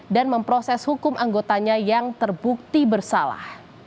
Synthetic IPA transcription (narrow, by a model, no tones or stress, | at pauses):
danməmpɾɔsɛshukʊmʔaŋɡot̪aɲajaŋt̪ərbuk̚t̪ibərsala̰h